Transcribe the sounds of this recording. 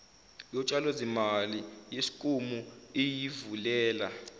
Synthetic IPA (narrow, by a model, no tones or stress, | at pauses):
jɔt͡ʃʼalozimalijesi̥kʼumuijivulɛːla